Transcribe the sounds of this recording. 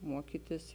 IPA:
ˈmuɔkʲiːtʲɪs

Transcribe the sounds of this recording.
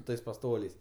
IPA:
ˈtɐɪs pɐˈstoːlʲɛɪs

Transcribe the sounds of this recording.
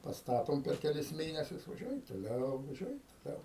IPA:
pɐsˈtɑːtoːm pʲɛr kʲɛˈlʲɪs ˈmʲeːnʲɛsʲʊs ʋɐˈʒʲuɔjɛm toːˈlʲɛʊ ʋɐˈʒʲuɔjɛm toːˈlʲɛʊ

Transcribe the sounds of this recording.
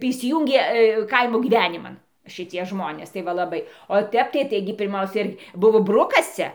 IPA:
tɐɪ iːsʲɪˈjuːŋʲɡʲeː ˈkɐɪmoː ɡʲiːˈʋʲæːnʲɪmɐn ʃʲɪˈtʲiɛ ˈʒmoːnʲeːs tɐɪ ˈʋɐ lˠɐˈbɐɪ oː ˈtʲɛp tɐɪ ˈtɐɪɡʲɪ pʲɪrˈmɐʊsʲɛ ɪr ˈbʊʋoː ˈbrʊkɐs ˈt͡sʲɛ

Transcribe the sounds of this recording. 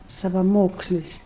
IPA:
sɐʋɐˈmoːksʲlʲɪs

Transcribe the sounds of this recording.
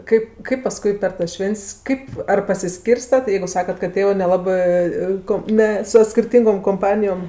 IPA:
ˈkɐɪp ˈkɐɪp pɐˈskʊɪ pʲɛr tɐs ˈʃʲʋʲɛnʲtʲsʲ ˈkɐɪp ɐr pɐsʲɪˈsʲkʲiːrstɐt jɛɪɡʊ ˈsɑːkɐt kɐt ˈtʲeːʋɜ nʲɛlˠɐˈbɜ ˈkoːm nʲɛ soː sʲkʲɪrʲˈtʲiːŋɡoːm koːmˈpɑːnʲɪjoːm

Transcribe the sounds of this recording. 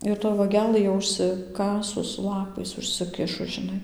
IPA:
ɪr toːj ʋɐˈɡʲæːlˠɘ jɛʊ ʊʃʲsʲɪˈkɑːsʊs ˈlˠɑːpɐɪs ʊʃʲsʲɪˈkʲɪʃʊs ʒʲɪˈnɐɪ

